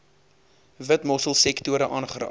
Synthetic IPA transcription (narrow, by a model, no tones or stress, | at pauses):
vətmɔsəlˠsɛktuəɾəʔɑːnχəɾɑ̰ː